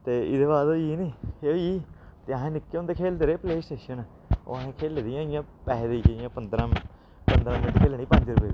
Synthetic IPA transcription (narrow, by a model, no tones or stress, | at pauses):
t̪eːɪd̪eːβaːd̪oːiːniːeoiːt̪eːəɦẽːnɪkːeʊ̃nd̪eːkʰeːld̪eːɾeːpleːsʈeːʃən | o̰ːɦẽːkʰeːleːd̪ɪjãːɪjãːpɛːɦd̪iːɪjãːpənd̪ɾãː | pənd̪ɾãːmɪ̃ʈkʰeːlɳiːpəɲd͡ʒɾəpeːi